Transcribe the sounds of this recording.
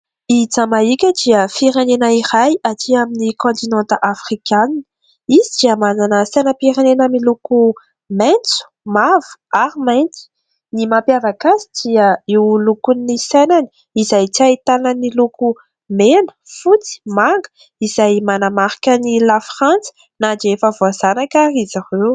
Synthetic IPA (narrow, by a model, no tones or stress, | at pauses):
it͡samaikʲəd̪iəfiɾenenəirajat̪iaminikɔ̃nt̪inãnt̪əʔafχikʲanini̥ | izid̪iəmananəsenəpiɾenenamiluku | ment͡su̥mavu̥aɾimajnt͡si̥ | nimampjavakazid̪̥iəiwlukunːisenani̥ | izajt͡sait̪anəniluku | menə̥fut͡si̥maŋɡə̥ | izajmanamaɾi̥kʲənilafχant͡sə̥ | nadefavoazanakaɾizaʁew